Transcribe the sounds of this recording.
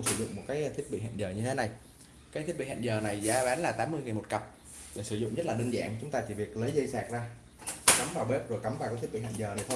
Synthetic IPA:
sɨ˧˩zʊ̰˧˨ŋ͡mmo˨˩t̚kaː˨˦jt̪ʰi˦˥ət̚ɓḭ˧˨ɦa̰ː˧˨nzəː˨˩ɲɨ˧t̪ʰe˨˦na˨˩j | kaː˨˦t̪ʰi˦˥t̚ɓḭ˧˨hnzəː˨˩na˨˩jzaː˨˦ɓaː˨˦nlaː˨˩t̪aː˨˦mːɨ˧əjŋi˨˩mo˨˩t̚kə˨˩p̚ | ɗe˧˩sɨ˧˩zʊ̰˧˨ŋ͡mzə˦˥laː˨˩ɗə˧ŋ̟za̰ː˧˨ŋt͡ɕʊ˨˦ŋ͡mt̪aː˧t͡ɕi˧˩vi˨˩ək̚lə˨˦jzə˧jsaː˨˩k̚zaː˧˩ | kə˨˦mvaː˨˩wɓe˦˥p̚zo˨˩jkə˨˦maː˨˩kaː˨˦t̪̚ʰɓḭ˧˨ha̰̟˧˨zəː˨˩na˨˩jt̪ʰo˧j

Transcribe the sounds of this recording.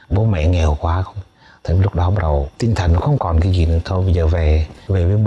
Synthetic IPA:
ɓo˨˦mɛ̰˧˥ŋɛ˨˩wkwaː˨˦xə˧wŋ͡m | t̪ʰe˧˩lʊ˦˥k͡p̚ɗɔ˨˦ɓa˦k̚ɗə˨˩wt̪ï˧ŋ̟t̪ʰə˨˩ŋnɔ˨˦xə˧wŋ͡mkɔ˨˩nkaː˨˦jzi˨˩nɨ̰˧˥ət̪ʰo˧jɓə˧jzəː˨˩ve˨˩ve˨˩vəː˨˦j

